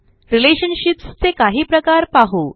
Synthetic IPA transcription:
ɾileɕənɕipst͡sekaɦiːpɾəkaɾpaɦo

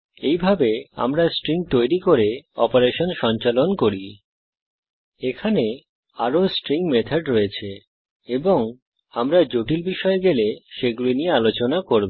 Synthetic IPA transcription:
ejbʱabea̰mɾasʈɾiŋt̪ojɾikoɾeɔpoɾeʃonʃɔnt͡ɕalonkoɾi | ekʰane | aɾosʈɾiŋmet̪ʰaɖɾoet͡ɕʰe | eboŋ | amɾad͡ʑoʈilbiʃɔeɡeleʃeɡulinijealot͡ɕonakoɾbo

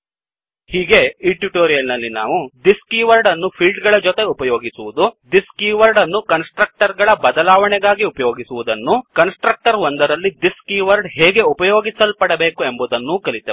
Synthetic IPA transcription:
hiːɡe̞iʈuʈoːɾijɐlnɐlːina̰ːʋud̪iskiːʋɐɾɖɐnːupʰilɖɡɐɭɐd͡ʒɔt̪e̞upɐjo̞ːɡisuʋud̪ud̪iskiːʋɐɾɖɐnːukɐnsʈɾɐk̚ʈɐɾɡɐɭɐbɐd̪ɐlaːʋɐɳɛɡaːɡiupɐjo̞ːɡisuʋud̪ɐnːukɐnsʈɾɐk̚ʈɐɾʋond̪ɐɾɐlːid̪iskiːʋɐɾɖɦɛːɡe̞upɐjoːɡisɐlpɐɽɐbe̞ːkuembud̪ɐnːukɐɭit̪ːe

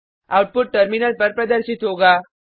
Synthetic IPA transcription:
a̰wʈ̚puʈ̚ʈəɾminəlpəɾpɾəd̪əɾsit̪ɦoɡa

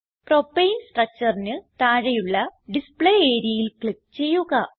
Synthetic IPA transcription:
pro̞pːejinsʈrɐk̚t͡ɕɐrinɨt̪aːɻɐjuɭːɐɖispɭeːeːɾijɐjilkɭikːt͡ɕe̞jːuɣɐ

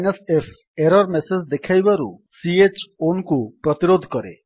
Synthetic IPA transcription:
jnʌsepʰ | eɾɔɾmesed͡ʒd̪ekʰajbaɾṵsiet͡ʃonkupɾɔt̪iɾod̪ʱkɔɾḛ

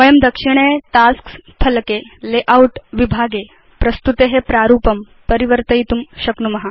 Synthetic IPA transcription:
kɐjəmd̪ɐkʂiɽ̃eʈaskspʰɐlkeleʔauʈʋibʱaːɡe | pɾɐst̪ut̪eɦepɾaːɾuːpɐm | pəɾiʋəɾt̪ɐjt̪umɕɐknumɐɦa

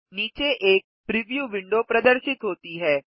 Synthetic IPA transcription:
niːt͡ʃeʔeːk̚pɾɪʋjuːʋɪ̃ɳɖopɾɐd̪əɾʃɪt̪ɦoːt̪iɦɛː

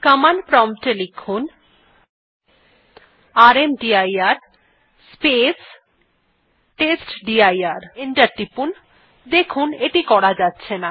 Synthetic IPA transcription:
kəmanpɾɔmʈelikʰun | aɾemɖiajaɾ | spes | ʈesʈɖiajaɾeɳʈaɾʈipun | d̪ekʰuneʈikɔɽad͡ʑatːɕʰena

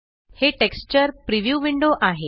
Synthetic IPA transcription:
heʈekst͡ɕəɾpɾiʋjuʋiɳɖoʔaɦe

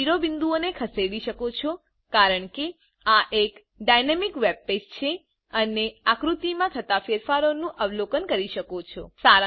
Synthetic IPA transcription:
iɾobɪnd̪uonekʰəseɽiʃəkot͡ʃʰo | kaɾəɳke | aʔek | ɖajnemikʋeb̚pest͡ʃʰe | əneakɾut̪imãt̪ʰət̪afeɾfaɾonũʔəʋlokənkəɾiʃəkot͡ʃʰo̰saɾ

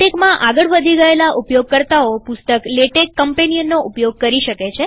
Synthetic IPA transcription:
ekmãʔaɡəɭʋəd̪ʱiɡəelaʔupjoɡ̚kəɾt̪aopʊst̪əkleʈekːəmpenijənːoʔupjoɡ̚kəɾiʃəket͡ʃʰe

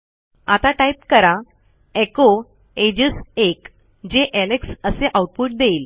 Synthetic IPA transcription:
at̪aʈajp̚kəɾa | eko | ed͡ʑəsek | d͡ʑeʔeneksəseʔauʈ̚puʈ̚d̪eil

